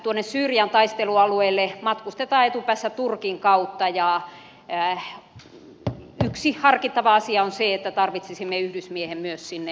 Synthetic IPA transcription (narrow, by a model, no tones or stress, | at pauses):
t̪uonːessyːrjɑnt̪ɑist̪eluɑlueilːemɑt̪kust̪et̪ɑːet̪upæːsːætt̪urkiŋkɑut̪ːɑjɑ | yksihɑrkit̪ːɑʋɑɑsiɑonseet̪ːæt̪ɑrʋit̪sisimːeyhdysmiehemmyøssinːe